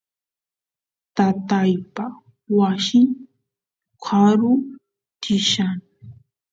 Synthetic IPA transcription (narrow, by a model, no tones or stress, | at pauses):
t̪at̪ajpa | wasɪŋ | kʰaɾʊ | t̪ɪʃan